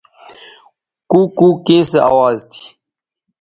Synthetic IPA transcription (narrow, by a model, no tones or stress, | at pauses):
kuːkuːkẽːsea̰ːwaːzt̪ʰi̥